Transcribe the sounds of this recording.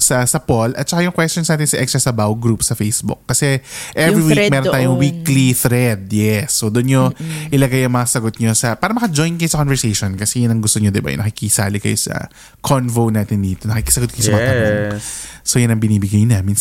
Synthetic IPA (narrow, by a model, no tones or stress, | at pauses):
sɐsɐpolʔɐ̰t̪̚t͡ʃɐkajʊŋkwɛstonsnaːt̪ɪnsɐʔɛkst̪ɹɐsɐbawɡɾupsɐfejsbʊ̰kːɐsɛʔɛvɾiwikmɛɾnt̪aːjoŋwikliθɾɛd̪̚jɛsːod̪ʊnɲoʔɪlɐɡajɐŋmɐŋasɐɡot̪̚ɲo̞sɐpaːɾɐmɐkɐd͡ʒojnkɐjosɐkonvɛɹsejʃonkɐsɛjʊnɐŋɡʊst̪oɲod̪ɪba̰nɐkɪkisaːlɪkɐ̰josɐ̰ | kʰonvonaːt̪ɪnd̪iːt̪onɐkikɪsɐɡot̪̚kɐjosɐmɐɐt̪ɐoŋsojʊnɐŋbɪniːbɪɡajɲonɐmins